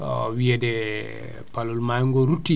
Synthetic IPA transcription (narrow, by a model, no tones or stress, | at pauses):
wiɛdɛ | palulmajŋɡɔɾutːi